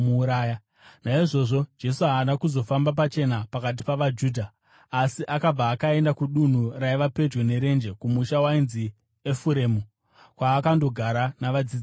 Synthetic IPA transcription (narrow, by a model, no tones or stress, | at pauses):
uɾaːja | naiʐo̞ʐo̞d͡ʒe̞suɦaːnakuzo̞fambap̬at͡ʃe̞napakat̬i̥paʋad͡ʒuːdʱaː | siʔakab͡vaːkae̞ndakuɗun̤uraiʋape̞d͡ʒone̞ɾe̞nd͡ʒe̞kumuʃawainzi | efuɾe̞mu | kwaːkando̞ɡʱaɾanaʋad͡zid͡z